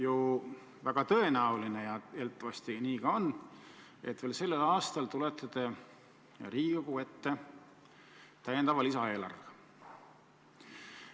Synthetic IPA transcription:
ju | væɡ̥ɑt̪ɤ̞e̞næuline̞jɑelt̪ːˑɑvɑst̪iniːkɑonː | e̞t̪ve̞ːlse̞lːelɑːst̪ɑlt̪ule̞t̪ːˑɑd̪e̞ | ɾiːikoɡ̥ue̞t̪ːe̞ | t̪æjend̪ɑvɑlisɑe̞ːlɑ̰rv

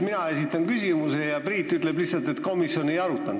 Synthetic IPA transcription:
minɑe̞sit̪ːˑɑnkysimuse̞jɑpriːt̪ːˑyt̪ˑle̞blisːɑlt̪e̞t̪ko̞misjo̞ne̞jɑɾut̪ːˑɑn

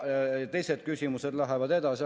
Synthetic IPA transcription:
t̪e̞jse̞d̪̥kysʲimused̪lɑɦevɑd̪e̞d̪ɑsi

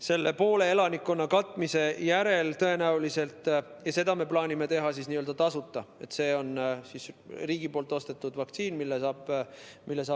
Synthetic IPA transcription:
se̞lːe̞po̞ːle̞elɑnikːˑonːɑkɑt̪ːˑmise̞jæɾe̞lt̪ɤ̞e̞næulise̞lt̪ˑ | jɑse̞d̪̥ɑme̞plɑːnʲime̞t̪e̞ɦɑsisniːøld̪ɑt̪ɑsut̪ːˑɑe̞t̪se̞ːo̞nsisriːɡ̥ipo̞ːlt̪ːˑo̞st̪e̞t̪ːˑud̪vɑk̚t̪siːnmilːesɑːb̥milːesɑː

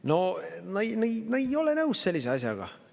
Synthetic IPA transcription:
no̞nɑnnɑejo̞lenɤwsselʲːis̬eɑs̬ʲjɑ̰ɡ̥ɑ̰

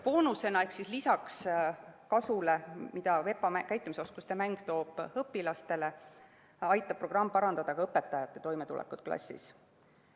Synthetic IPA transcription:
poːnuse̞nɑe̞hksislisɑkskɑsule̞mid̪̥ɑve̞pːˑɑmækæjt̪ːˑumiso̞skust̪e̞mæŋɡ̥t̪o̞ːb̥hɤpːilɑst̪e̞le̞ | ɑjt̪ːˑɑb̥̚pːro̞ɡ̥rɑmːpɑɾɑnd̪ɑd̪̥ɑkɑɤpːˑe̞t̪ːˑɑjɑt̪ˑːe̞t̪o̞jmet̪ṵlḛkːˑud̪̥klɑ̰sʲːḭs

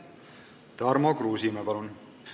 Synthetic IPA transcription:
t̪ɑɾmokruːsimɛpɑlun

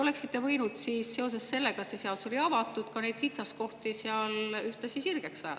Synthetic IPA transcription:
ole̞ksit̪ːe̞vɤjnud̪̥siːsse̞o̞s̬e̞sse̞lːe̞ɡɑseseɑlso̞lʲiɑvɑt̪ːˑud̪̥kɑne̞jd̥̪hit̪sɑs̚ko̞ht̪iseɑlyht̪esisirɡ̥eksɑjɑ̰

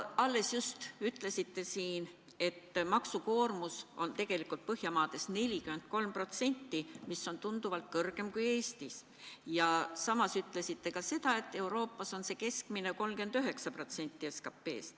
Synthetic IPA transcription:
ɑlːe̞sjust̪yt̪ˑle̞sit̪ːe̞siːn | e̞t̪ːmɑksuko̞ːrmuso̞̰nt̪e̞ɡ̥e̞likˑult̪̚pɤhjɑmɑːd̪̥e̞sne̞lʲikyme̞nt̪̚ko̞lmpro̞t̪se̞nʲt̪ːimiso̞nt̪und̪̥uvɑlt̪̚kɤrɡ̥e̞mkuje̞ːst̪is | jɑsɑmɑsyt̪ːˑle̞sit̪ːe̞kɑse̞d̪̥ɑe̞t̪ːe̞uɾo̞ːpːˑɑso̞nse̞ke̞skmineko̞lmkend̪̥yɦe̞ksɑpro̞t̪se̞nʲt̪ˑːieskɑpːe̞̰ːs

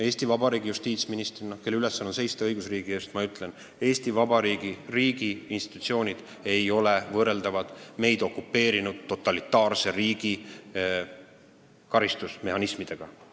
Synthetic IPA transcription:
e̞ːst̪ivɑbɑɾiːɡijust̪iːt̪sminist̪rinɑke̞lːeyle̞sɑnonse̞jst̪eɤjɡ̥usriːɡ̥ie̞ːst̪mɑyt̪ˑle̞n | e̞ːst̪ivɑbɑɾiːɡ̥iriːɡ̥iːnst̪i̥t̪u̥t̪sio̞ːnʲid̪̥ | e̞jo̞le̞vɤːre̞ld̪ɑvɑd̪̥me̞jd̪̥o̞kːupːe̞ːɾinud̪̥t̪ːo̞t̪ːˑɑlit̪ːɑːrse̞ɾiːɡ̥i | kɑɾist̪usmehɑnismid̪̥e̞ɡ̥ɑ

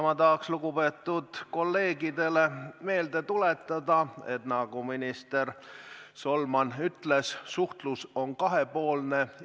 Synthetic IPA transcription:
mɑt̪ɑɦɑksluɡupe̞ːt̪ːud̪̥ko̞lːe̞ːɡid̪e̞le̞me̞ːld̪e̞t̪ule̞t̪ːˑɑd̪ɑe̞̰t̪nɑɡ̥uminist̪e̞rso̞lmɑnyt̪le̞ssuht̪luso̞nkɑɦepo̞ːlne̞

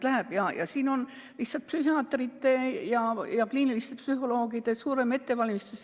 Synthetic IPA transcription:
læhæb̥jɑjɑ̰siːno̞n | lihsɑlt̪̚psyɦiɑːt̪ːrit̪ːe̞jɑjɑkliːnilist̪e̞psyɦo̞lo̞ːɡ̥id̪̥e̞suːɾe̞me̞t̪ːe̞vɑlʲmist̪us

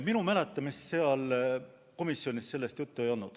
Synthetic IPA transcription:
minumælet̪ːˑɑmisse̞ɑl | ko̞misːjo̞nʲistse̞lːe̞st̪jut̪ːue̞jo̞nːud̪̥

